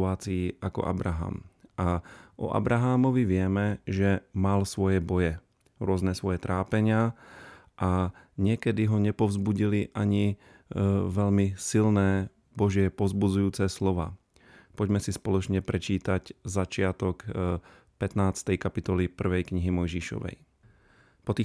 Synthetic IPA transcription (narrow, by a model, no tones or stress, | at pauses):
aːt͡siiʔakɔ̰ʔa̰bɾaɦa̰ːmaʔɔ̰ʔa̰bɾaɦaːmɔʋiʋɪɛmɛʒɛmalsʋɔjɛbɔjɛ | ɾʊɔznɛsʋɔjɛt̪ɾaːpɛɲɪa | ʔaɲɪɛkɛd̪iɦɔɲɛpɔʊzbuɟiliʔaɲi | ʋɛʎmisilnɛː | bɔʒɪɛpɔzbud͡zujuːt͡sɛslɔʋa̰ː | pɔɟmɛsispɔlɔt͡ʃɲɛpɾɛt͡ʃiːt̪aczat͡ʃɪat̪ɔk | pɛt̪naːt͡st̪ɛjkapit̪ɔlipr̩ʋɛjkɲiɦimɔjʒiʃɔ̰ʋɛ̰j | pɔt̪i